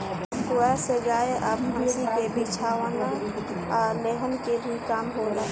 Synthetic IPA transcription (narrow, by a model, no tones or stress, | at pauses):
koaseɡaːeʔaːbʱə̃ŋɡɾikebit͡ʃʰaːʋən | aːleɦənkebʱikaːmɦoɾae